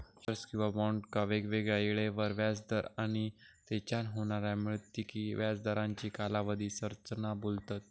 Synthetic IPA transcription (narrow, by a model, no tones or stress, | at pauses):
səɾskĩw̃ʋamauɳʈkəʋekʋeɡɭaiɭeʋəɾʋjad͡zd̪əɾaɽ̃it̪et͡ɕanɦoɳ̃aɾjamiɭət̪ːikiʋjad͡zd̪əɾãɲt͡ɕiːkalaʋəd̪ʱisəɾt͡sənabolt̪at̪̚